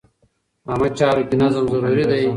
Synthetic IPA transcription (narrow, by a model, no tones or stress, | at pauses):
amɐt͡ɕaːɾukinɐzɐmzɐɾuːɾid̪ɐj